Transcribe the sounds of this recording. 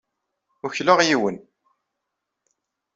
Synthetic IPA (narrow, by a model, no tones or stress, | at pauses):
ʊçlaʁjiwən